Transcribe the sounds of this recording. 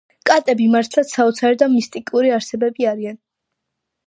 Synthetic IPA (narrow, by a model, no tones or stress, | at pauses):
kʼat̪ʼɛbimaɾt̪ʰlˠat̪saɔt̪sʰaɾɛd̪amist̪ʼikʼuɾiaɾsɛbɛbiaɾian